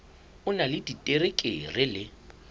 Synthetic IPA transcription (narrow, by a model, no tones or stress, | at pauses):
ʊnalɪditʼerɪkʼɪ̰rɪlɪ